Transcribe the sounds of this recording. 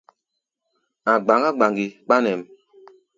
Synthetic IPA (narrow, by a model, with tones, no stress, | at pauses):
a˨ɡ͡ba˨ŋɡa˦ɡ͡ba˨ŋɡi˨ɓa˦nɛ˨m